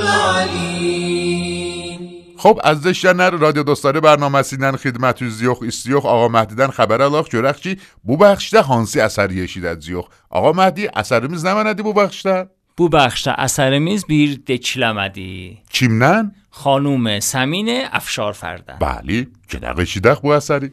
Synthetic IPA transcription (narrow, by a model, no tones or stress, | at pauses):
xobæzd̪eʃd̪ænæɾɾɒːd̪ijod̪ost̪ɑːɾebæɾnɒːmæsinænxed̪mæt̪ʰuzijoxist̪ijoxɒːɣɑmæhd̪id̪ænxæbæɾælɒːxt͡ʃʰoɾæxt͡ʃʰi | bubæχʃd̪æɦɑnsiæsæɾjeʃid̪æzijox | ʔɒ̰ːɣɑmæhd̪iʔæ̰sæɾemiːznæmænæd̪ibubæχʃt̪æ | b̥ubæχʃt̪æ̰ʔæ̰sæɾemiːzbiːɾd̪et͡ʃʰlæmæd̪ḭt͡ʃʰimnæn | xɒːnumesæmiːneæ̰fʃɒːɾfæ̰ɾd̪æ̰nb̥æ̰lit͡ʃʰed̪æ̰ʁeʃid̪æχbuæsæɾi